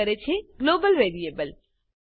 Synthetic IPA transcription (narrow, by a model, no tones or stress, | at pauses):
əɾet͡ʃʰeɡloːbəlʋeːɾieːbəl